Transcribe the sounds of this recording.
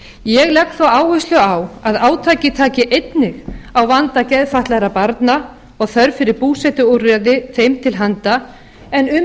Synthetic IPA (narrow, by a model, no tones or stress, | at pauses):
jɛɣlɛxkt̪θawaːwvʏst̪lʏawaðaːwt̪ʰaːcɪt̪ʰaːcɪʔejt̪nɪɣawvant̪acɛðfaht̪laɾapaɾt̪na | ɔɣθœɾfɪɾɪɾpuːsɛt̪ʏurɛðɪθejmt̪ʰɪlɦant̪a | ɛnʏ